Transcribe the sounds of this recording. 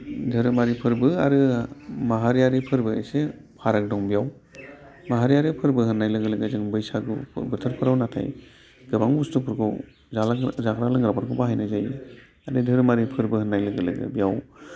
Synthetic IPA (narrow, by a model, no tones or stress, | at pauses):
dʱɯɾɯmaɾipʰɯɾbɯaɾɯmaɦaɾijaɾipʰɯɾbɯḛjse | pʰaɾak̚dɔŋbijaw | maɦaɾijaɾipʰɯɾbɯɦɯnːajlɯɡɯlɯɡɯzɯŋbɯjsaɡɯ̰bɯtʰɯɾpʰɯɾawnatʰa̰j | ɡ̥ɯbaŋbustupʰɯɾɡʰɯw | zalzakɾalɯŋɡɾabaɾɡʰɯbaɦajnazaj | aɾɯdʱɯɾmaɾipʰɯɾbɯɦhɯnːajlɯɡɯlɯ̰ɡɯ̰bijaw